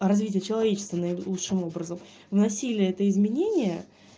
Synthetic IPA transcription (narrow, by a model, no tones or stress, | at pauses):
rɐzvʲitʲɪjət͡ɕɪlˠɐvʲet͡ɕɪst̪vɪnəlˠutʂɨmo̞bɾəzəm | vnɐsʲilʲɪjəɛt̪əɪzmʲɪnʲenʲɪjə